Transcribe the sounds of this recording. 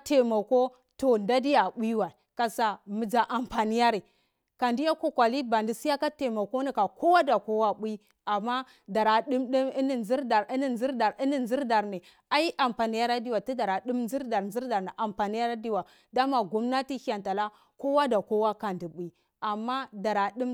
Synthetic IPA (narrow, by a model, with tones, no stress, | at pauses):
te˨ma˨ko˦ | to˨nda˦di˦ja˨ɓʷi˦wa˨ka˨sa˨mi˨d͡ʒa˨ʔa˨mpa˨ni˦ja˦ɾi˨ | ka˨ndi˦ja˦ko˦kʷa˨li˦ba˨ndi˦si˦ja˦ka˦te˨ma˨ko˦ni˦ka˨ko˦wa˦da˨ko˦wa˦ɓʷi˦ | a˨mːa˦ | da˨ɾa˨ɗi˦mɗi˦mi˦ni˦˨nzi˦ɾda˨ɾi˦ni˦nzi˦ɾda˨ɾi˦ni˨nzi˦ɾda˨ɾni˨ | a˦i˦ʔa˨mpa˨ni˦ja˦ɾa˦di˦wa˨ti˦da˨ɾa˨di˦mnzi˦ɾda˨ɾnzi˦ɾda˨ɾni˨ʔa˨mpa˨ni˦ja˦ɾa˦di˦wa˨ | da˦ma˨ɡu˦mna˦ti˦ha˨nta˨la˦ | ko˦wa˦da˨ko˦wa˦ka˨ndi˨ɓʷi˦ | a˨mːa˦da˨ɾa˨ɗi˦m